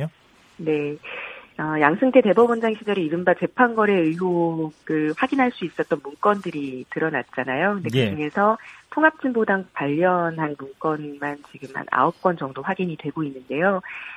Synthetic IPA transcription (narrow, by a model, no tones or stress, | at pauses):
ne̞ | ʌjaŋsʰɯŋtʰe̞te̞bʌbʌnd͡ʑaŋɕʰid͡ʑʌɾiiɾɯmbat͡ɕe̞pʰanɡʌɾe̞ɯɦoɡɯɭɸwaɡinɦaɭs͈uis͈ʌt̚t͈ʌnmunk͈ʌndɯɾitɯɾʌnat̚t͡ɕ͈anajokɯndekɯd͡ʑuŋe̞sʰʌtʰoŋɦap̚t͡ɕ͈ʰinbodaŋpaʎːʌnɦanmuŋk͈ʌnmant͡ɕiɡɯma̰na̰ʌp̚k͈wʌnd͡ʑʌŋdoɸwaɡiɲitwe̞ɡoinːɯnde̞jo